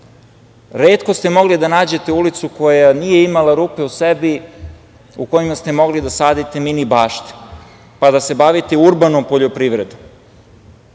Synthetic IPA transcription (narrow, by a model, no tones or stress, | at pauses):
ɾeːt̪kost̪e̞mo̞ɡlid̪anaːd͡ʑe̞t̪e̞ulit̪suko̞janije̞imalaɾuːpe̞usebi | uko̞jimast̪e̞mo̞ɡlid̪asaːd̪it̪e̞minibaːʃt̪e̥ | pad̪ase̞baʋit̪euɾbanompoʎo̞pɾiʋɾed̪om